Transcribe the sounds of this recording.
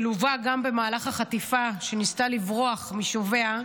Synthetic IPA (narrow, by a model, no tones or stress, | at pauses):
luvaɡambe̞maːlaχhaχatifaʃe̞nistalivʁoaχmiʃove̞a